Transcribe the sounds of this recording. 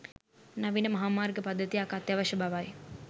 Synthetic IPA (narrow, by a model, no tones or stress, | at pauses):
naʋinəmɐɦaːmaːrɡəpad̪ʱːət̪ijakat̪jaʋaʃəbaʋaj